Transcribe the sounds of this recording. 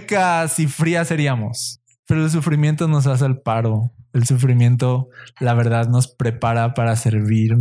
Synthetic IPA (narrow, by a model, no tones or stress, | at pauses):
kasifɾiase̞ɾiamo̞̰s | pe̞ɾo̞els̬ufɾimje̞nt̪o̞no̞s̬as̬eːlpaɾo̞elsufɾimjẽ̞nt̪o̞laβe̞ɾðaðno̞spɾe̞paɾapaɾase̞ɾβiɾ